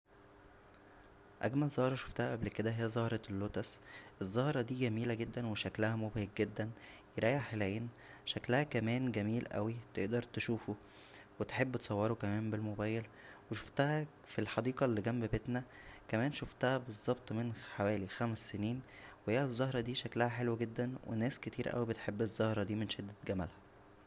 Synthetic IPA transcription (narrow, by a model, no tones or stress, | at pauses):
ʔæ̰ɡmælzˤɑhɾˤɑʃo̥ft̪æhæʔæblked̪æɦejːæzˤɑhɾˤɑlːot̪æsʔezˤːɑhɾˤɑd̪iːɡæmiːlæɡed̪ːænweʃæklæhæmobhek̚ɡed̪ːæn | jeɾˤæːjaħelæjeːn | ʃæklæhækæmæːnɡæmiːlʔæ̰wit̪eʔd̪ɑɾˤt̪eʃuːfo | wet̪ħebːt̪e̥sˤɑwːɑɾokæmæːmbelmobæːjel | weʃo̥ft̪æhæ | filħɑd̪iːqɑlːiɡæmbbet̪næ | kæmæːnʃoft̪æhæbezˤːɑb̚t̪ˤmenħawæːlixæmsːeniːnwehejːæzˤːɑhɾˤɑd̪iːʃæklæhæħelwæɡed̪ːænwḛnæːsket̪iːɾʔæ̰wibet̪ħebːezˤːɑhɾˤɑd̪iːmenʃed̪ːæɡæmæ̰lhæ